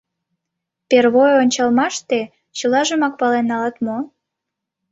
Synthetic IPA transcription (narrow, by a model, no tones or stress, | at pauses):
perβojonʲt͡ɕɑlmɑʃt̪e | t͡ɕəlɑʒəmɑk̚pɑlenːɑlɑt̪mo